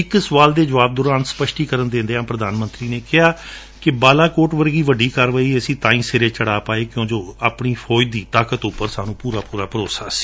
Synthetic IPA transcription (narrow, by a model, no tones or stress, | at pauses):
ɪksəʋaːld̪eːd͡ʒəʋaːb̚d̪ʊːɾaːnspəʃʈiːkəɾənd̪ẽːnd̪eːɦãːpɾəd̪aːnmə̃nt̪ɾiːneːkɪɦaː | kɪbaːlaːkoːʈʋəɾɡiːʋəɖːiːkəɾʋəːiːəsĩːt̪ãːĩːseːɾeːt͡ʃəɽaːpaːeːkjõːd͡ʒoːaːpɳiːpʰɔːɪd̪iːt̪aːkət̪ʊpːəɾsaːnũːpuːɾaːpuːɾaːpəɾoːsaːsi̥ː